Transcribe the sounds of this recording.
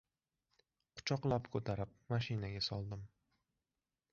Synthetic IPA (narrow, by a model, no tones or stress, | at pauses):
qʰʊ̥t͡ʃʰɒqlˠapkʰɵt̪ʰaɾɪp̚maʃɪnaɡʲasɒlˠd̪ɪm